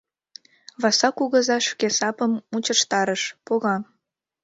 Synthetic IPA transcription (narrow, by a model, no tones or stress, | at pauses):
βɑsɑkuɣə̆zɑʃkesɑpəmmut͡ɕəʃt̪ɑɾəʃpoɣɑ